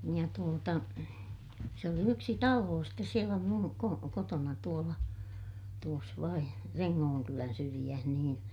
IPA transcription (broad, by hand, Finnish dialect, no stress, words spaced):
jɑ tuotɑ se oli yksi tɑloː stes sielæ mun ko kotonɑ tuolɑ tuos ʋɑin reŋːoːŋkylæn syrij̆æh niːn